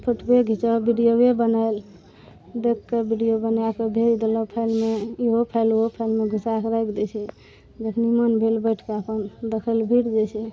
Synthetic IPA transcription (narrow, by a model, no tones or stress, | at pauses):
pʰəʈʰbeɡʱit͡ʃabiɖijobebənal | d̪ekːebiɖijobənjakebʱeld̪elɔpʰaɪlmeiɦopʰəluɦopʰajlmeɡʱusakɾəjkd̪et͡ʃʰɛ | d͡ʒekʰnimənbʱelbəjʈʰkeapənd̪əkʰəlbʱiɽd͡ʒɛt͡ʃʰɛ